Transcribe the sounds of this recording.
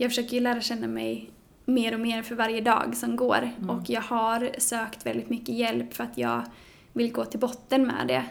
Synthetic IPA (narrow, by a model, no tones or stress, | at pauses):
jɑːɡfœʂøːkəɾjɵlæːɾaɕɛnːamɛ̰j | meːɾɔmeːɾfœɾvaɾjəd̪ɑ̰ːɡsɔmɡo̰ːɾʔɔkjɑːɡhaɾsøːkt̪vɛ̰ld̪ɪt̪mʏkːəjɛlpfœɾat̪jɑ̰ːɡ | vɪlɡoːt̪ʰɪlbɔt̪ːənmɛ̰ːd̪ɛ̰